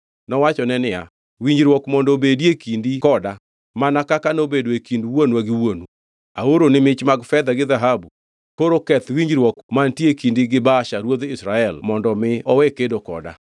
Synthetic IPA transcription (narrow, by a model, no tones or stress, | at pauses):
nɔwat͡ʃɔnɛnɪa̰ | wiɲd͡ʒɾwɔkmɔndɔbediekindikɔda | manakakanobedoekinduwonwaɡɪwonu | a̰oɾonɪmɪt͡ʃmaɡfɛd̪aɡɪðaɦabu | koɾokɛt̪wiɲd͡ʒɾwɔkmantiekindiɡɪbaʃaɾwoðisɾaɛlmɔndɔmɪɔwekedokɔ̰da̰